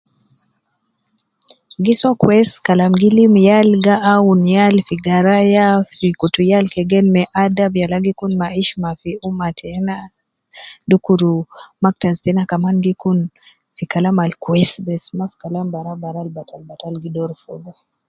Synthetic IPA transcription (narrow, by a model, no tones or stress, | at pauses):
ɡisakwɛskalamɡilimjalɡaʔaunjalfiɡaɾajafikutujalkɛɡɛnmɛʔadabjalaɡikunmaiʃmafiumatʰɛna | dukuɾumak̚tastɛnakamanɡikun | fikalamalkwɛsbɛsmafi̥kalambaɾabaɾalbatalbatalɡidɔɾfɔɡa